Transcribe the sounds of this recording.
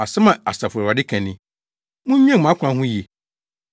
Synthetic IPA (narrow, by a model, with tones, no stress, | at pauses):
a˨sɛ˦mã˨a˨sa˨fʊ˨ɛ˨a˨dɪ˦kʰɛ̃˨nɪ̃˨ | mũ˦ɛ̃˦˨m̃˨ã˦kʷʰã˦hʊ̃˦je˨